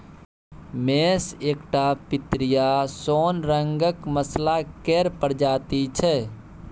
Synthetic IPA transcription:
meseːkʈapit̪ɾijasoːnɾəŋɡəkməslakeɾpəɾd͡ʒaːt̪it͡ʃʰɛ

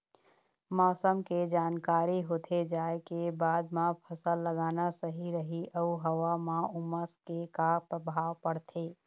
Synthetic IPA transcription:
mɔːsəmked͡ʒaːnkaːɾiɦoːt̪ʰed͡ʒaːekebaːd̪mãpʰəsəlːəɡaːnasəɦiɾəɦiʔəuɦəwamãuməskekapɾəbʱaːwpəɽt̪ʰeː

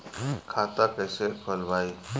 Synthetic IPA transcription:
kʰat̪akəjsekʰəlʋaj

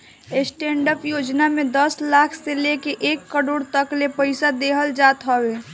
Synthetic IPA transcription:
esʈẽːɳɖəpjoːd͡ʒnamẽd̪əslaːkʰselekeʔeːkːəɽoːɽt̪əklepəɪsad̪eːɦəld͡ʒaːt̪ɦɔweː

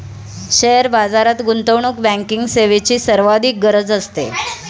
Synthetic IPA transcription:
ɕeɦəɾbad͡zaɾat̪ɡunt̪əwɳukbæ̃ŋkiŋɡseʋet͡ɕiːsəɾʋad̪ʱiːk̚ɡəɾəd͡zəst̪ḛ

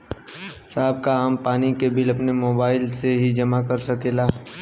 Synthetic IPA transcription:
saːb̚kaaːmpaːnikebɪlɐpnemoːbaːɪlseɦid͡ʒɐmakɐɾsɐkeːlaː

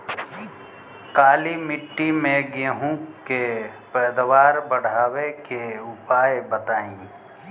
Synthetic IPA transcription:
kaːlimɪʈːimẽɡeɦũkkepɛːd̪ʋaːɾbəɽ̤aːwekeʊpaːebət̪aːĩː

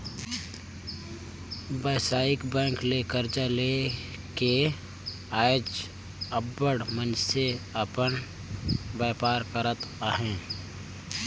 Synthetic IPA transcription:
bəːsaːɪkbɛ̃ːŋklekəɾt͡ʃəle | ke | aːd͡ʒ | əbːəɽmənt͡ʃseəpən | bɛːpaːɾkəɾət̪aːɦẽː

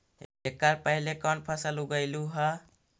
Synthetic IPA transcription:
ekaɾpəɦilekɔnpʰasaluɡəjluɦa

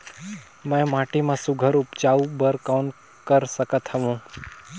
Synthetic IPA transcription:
mɛ̃maʈimãsuɡʱəɾʊpd͡ʒaʋubəɾkawn | kəɾsəkət̪həʋũː

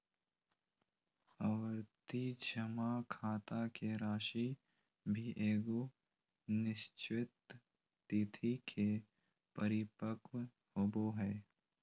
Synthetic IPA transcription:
əʋəɾt̪id͡ʒəmakʰaːt̪akeɾaːʃi | bʱiʔeːɡo | nɪʃt͡ʃɪt̪ː | it̪ʰikʰe | pəɾɪpəkw | hoboɦɛː

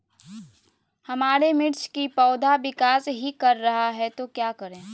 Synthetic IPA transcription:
hɐmaːɾemɪɾt͡ʃkipɔːd̪ʱabɪkaːsɦikɐɾːɐɦaɦɛt̪okjaːkəɾẽː

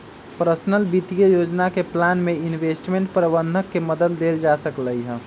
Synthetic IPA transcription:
pɾəsnəlbit̪ijəjod͡ʒnakeplanmeinʋesʈmeɳʈpɾəbənd̪ʱəkːeməd̪əd̪ːeld͡ʒasəkləjɦɛ̃

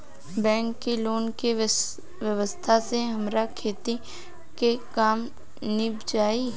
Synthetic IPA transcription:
bɛ̃ːŋkːiloːnke | ʋjəʋəst̪ʰaseɦɐmɾakʰeːt̪i | kekaːm | nɪbd͡ʒaːi

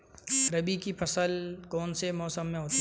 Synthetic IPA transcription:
ɾɐbikipʰɐsəlkɔːnsemɔːsəmːẽɦoːt̪i

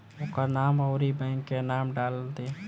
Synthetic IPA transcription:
ʊkanaːmɔːɾibɛ̃ːŋkːenaːmɖaːld̪e

